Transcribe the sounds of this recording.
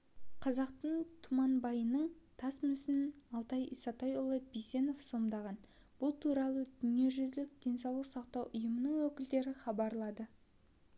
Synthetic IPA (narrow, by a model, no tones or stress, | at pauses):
qʰɑzɑqt̪əɴt̪ʰʊmɑnbɑjənəɴt̪ʰɑsmʏsɪnɑlˠt̪ɑjisɑt̪ɑjʊlˠəbise̞no̞fso̞md̪ɑʁɑn | b̥ʊlˠt̪ʰuɾɑlˠəd̪ʏne̞ʒʏzlɪk̚d̪̥e̞nsɑwlˠəqsɑqt̪ɑwʔʊjəmənəɴwɵkʲɪld̪e̞ɾɪχɑbɑɾlˠɑd̪ə